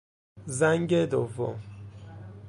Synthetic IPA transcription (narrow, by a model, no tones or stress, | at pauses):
zæŋɟed̪ovo̰m